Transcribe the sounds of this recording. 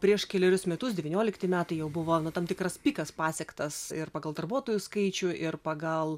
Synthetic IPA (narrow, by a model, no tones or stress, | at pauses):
pʲɾʲiɛʃkʲɛlʲɛɾʲʊsmʲɛt̪ʊsdʲɛʋʲiːnʲoːlʲɪkt̪ʲɪmʲæːt̪ɐɪjɛʊbʊʋoːnʊt̪ɐmʲt̪ʲɪkrɐspʲiːkɐspɑːsʲɛkt̪ɐsɪrpɑːɡɐlˠd̪ɐrbuɔt̪oːjʊskɐɪt͡ʃʲʊʔɪrpɐɡɐlˠ